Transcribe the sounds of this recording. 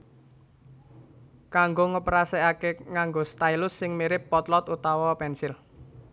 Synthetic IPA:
kaŋɡoŋəpəɾasɛakeŋaŋɡost̪ailʊsːɪŋmiɾɪpːɔt̪lɔt̪ut̪awɔpɛnsɪl

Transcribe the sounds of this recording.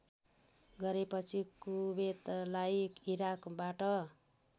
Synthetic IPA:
ɡʌɾepʌt͡sʰikubet̪lajkiɾakbaʈʌ

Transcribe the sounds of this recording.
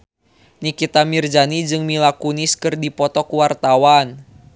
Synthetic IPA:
nikit̪amird͡ʒanid͡ʒɨŋmilakuniskɨrdipɔt̪ɔkuwart̪awan

